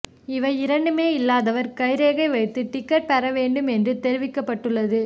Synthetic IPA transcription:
ɪʋɐɪɪɾɐɳɖɯmeːɪlːaːðɐʋɐɾkɐɪɾeːɣɐɪʋɐɪt̪ːɯʈːɪkːɐʈ̚pɐɾɐʋeːɳɖɯmɛndrɯt̪ɛɾɪʋɪkːɐpːɐʈːɯɭːɐðɯ

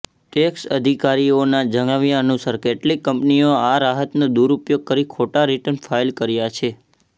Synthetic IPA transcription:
ʈeksə̰d̪ʱikaɾionad͡ʒəŋaʋjaənusəɾkeʈlikːəmpnioaɾaɦət̪nod̪uɾupjoɡ̚kəɾikʰoʈaɾiʈənfʰajlkəɾjat͡ʃʰe

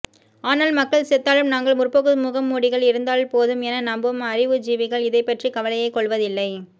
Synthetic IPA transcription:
aːnɐːlmɐkːɐɭsɛt̪ːaːlɯmnaːŋɡɐɭmʊrpoɣɯmʊɣɐmːuːɽɪɣɐɭɪɾɯnd̪aːɭpoːðɯmɛnɐnɐmbɯmɐɾɪʋɯd͡ʒiːʋɪɣɐɭɪðɐɪpːɐʈrikɐʋɐlɐjɐɪkːɔɭʋɐðɪlːɐɪ

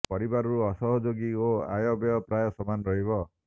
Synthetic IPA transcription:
pɔɾibaɾɾuɔsɔɦɔd͡ʒoɡioa̰jɔbjɔpɾajɔsɔmanɾɔɦibɔ

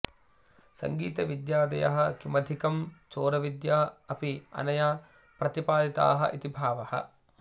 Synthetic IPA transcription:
sɐ̰ŋɡiːt̪ɐʋid̪jaːd̪ɐjɐ̰ɦɐ̆kimɐd̪ʱikɐmt͡ʃoːɾɐʋid̪jaːɐpiɐ̰nɐja | pɾɐt̪ipaːd̪it̪a̰ːɦɐʔit̪ibʱaːʋɐhɐ̰

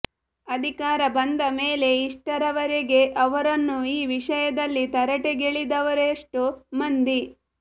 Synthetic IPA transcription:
ɐd̪ʱikaːɾɐbɐnd̪ɐmeːle̞iʂʈɐɾɐʋɐɾeɡe̞ʔɐʋɐɾɐnːuiːʋiʂɐjɐd̪ɐlːit̪ɐɾɐʈeɡeɭid̪ɐʋɐɾeʂʈumɐnd̪i

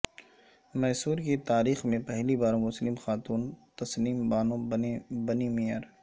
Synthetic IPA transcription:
mɛːsuːɾket̪aːɾiːxmẽpɛɦlibaːɾmʊslɪmxaːt̪uːnt̪ɐsliːmbaːnõbɐnimijəɾ

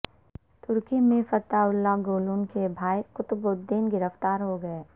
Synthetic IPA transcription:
t̪ʊɾkimẽfɐt̪aʊlːaɡoːluːnkebʱaːjkʊt̪bod̪ːinɡɪɾəft̪aːɾɦoɡɐeː

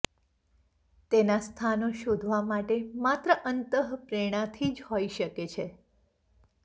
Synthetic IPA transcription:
t̪enast̪ʰanoʃod̪ʱʋamaʈemat̪ɾəʔənt̪əɦpɾeɽ̃ãt̪ʰid͡ʒhoiʃəket͡ʃʰe

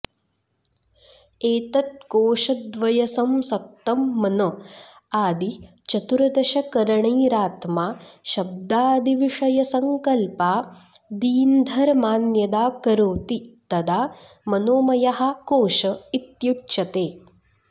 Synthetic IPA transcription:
eːt̪ɐt̪̚koːʃɐd̪ʋɐjɐsɐmsɐk̚t̪ːɐmːɐno | aːd̪i | t͡ʃɐt̪uɾɐd̪ɐʃɐkɐɾɐɳɐːɾaːt̪maːʃɐb̚d̪aːd̪ʱiʋiʂɐjɐsɐŋkɐlpaːd̪iːnd̪ʱɐɾmaːnjɐd̪aːkɐɾoːt̪it̪ɐd̪aː | mɐnoːmɐjɐɦɐ̆koːʃɐit̪juʈʃɐt̪eː

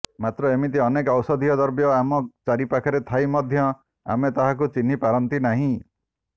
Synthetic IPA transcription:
mat̪ɾɔemit̪iɔnekɔwsɔd̪ʱiɔd̪ɔɾbjɔamɔt͡ʃaɾipakʰɔɾet̪ʰajmɔd̪ʱjɔ | a̰met̪aɦak̬ut͡ʃin̤ipaɾɔnt̪inaɦĩ

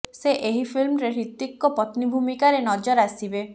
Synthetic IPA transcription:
seʔeɦipʰilmɾeɾit̪ikːɔpɔt̪nibʱumikaɾenɔd͡ʒɔɾasibe

